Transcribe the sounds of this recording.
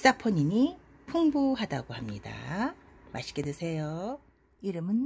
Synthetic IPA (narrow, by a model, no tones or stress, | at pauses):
s͈apʰʌɲiɲi | pʰuŋbuɦadaɡohamɲida̰ | maɕʰi̥ɡedwesʰe̞jo | iɾɯmɯn